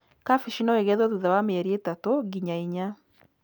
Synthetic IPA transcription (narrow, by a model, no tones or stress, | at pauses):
kafiʃinɔeɣɛðɔðuðawameɛɾietatoɡiɲaiɲa